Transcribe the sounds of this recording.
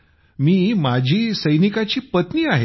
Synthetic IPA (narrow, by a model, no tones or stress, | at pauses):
miːmad͡ʑʱiːsəjnikat͡ɕiːpət̪niːaɦe